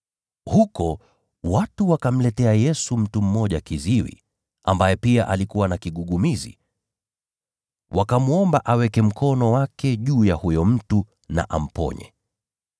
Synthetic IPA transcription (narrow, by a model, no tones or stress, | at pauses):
hukɔ | watuwakam̩lɛtɛajɛsum̩tum̩mɔʄakiziwḭ | ʔa̰mbajɛpiaʔalikuwanakiɠuɠumizḭ | wʔakamuɔmbaʔawɛkɛm̩kʰɔnɔwakɛʄuːjahujɔm̩tu | na̰ʔa̰m̩pɔ̰ɲɛ̰